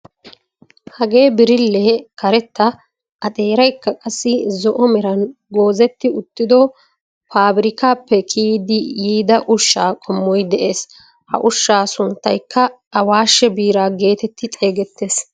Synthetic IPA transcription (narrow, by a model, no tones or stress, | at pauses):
hɐɡe̞ːbɪɾɪlːekɐɾɛt̪ːɐ | ʔɐt̪ʼe̞ːɾɐjkːɐkʼɐsːɪzɔʔɔmɛɾɐnɡo̞ːzɛt̪ːɪʊt̪ːɪd̪ɔ | faːbɪɾɪkaːpːɛkʰiːd̪ɪjiːd̪ɐʔʊʃːaːkʼɔmːɔjd̪ɛʔe̞ːs | hɐ̰ʔʊʃːaːsʊnt̪ːɐjkːɐ | ɐwaːʃːɛbiːɾaːɡe̞ːt̪ɛt̪ːɪt͡sʼe̞ːɡɛt̪ːe̞ːs